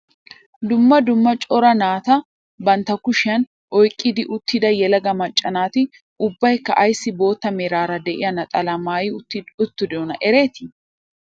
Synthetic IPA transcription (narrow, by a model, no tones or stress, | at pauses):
d̪ʊmːɐd̪ʊmːɐt͡ʃʼɔɾɐnaːt̪ɐ | bɐnt̪ɐkʊʃɪɐn | ʔɔjkʼːɪd̪ɪʔʊt̪ːɪd̪ɐjɛlɐɡɐmɐt͡ʃʼːɐnaːt̪ɪ | ʊbːɐjkːɐʔɐjsːɪbo̞ːt̪ːɐmeɾaːɾɐd̪ɛʔɪ̰jɐnɐt̪ʼɐlɐmaːjɪʊːɪʊt̪ːʊd̪ɔnɐʔɛɾe̞ːt̪ɪ